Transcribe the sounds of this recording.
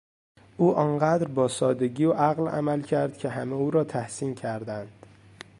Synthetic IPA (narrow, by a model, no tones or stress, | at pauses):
ʔuːʔɒnɢæd̪ɾbɒːsɒːd̪eɟiːʔæɣlæ̰mælcʰæɾd̪̥̚cʲʰeɦæmeuːɾɒːt̪ʰæhsincʲʰæɾd̪ænd̪̥